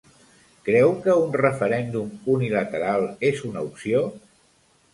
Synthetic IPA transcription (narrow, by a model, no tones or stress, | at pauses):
kɾɛwkəunrəfəɾɛnd̪umunilət̪əɾalˠezunəupsio